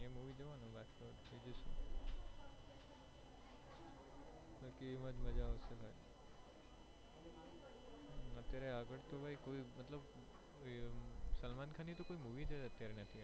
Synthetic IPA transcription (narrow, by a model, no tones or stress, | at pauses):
emuʋid͡ʒəʋanũʋat̪ʰkəɾbed͡ʒəʃũ | bəlkiiməd͡ʒməd͡ʒaːʋsəbaj | ət̪jaɾeaɡəɽt̪obʱaikoimət̪ləb | səlmankʰanit̪okoimuʋit̪ʰaət̪jaɾenət̪ʰia